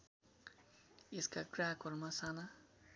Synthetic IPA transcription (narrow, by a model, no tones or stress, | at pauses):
eskakraɦkoɾmasana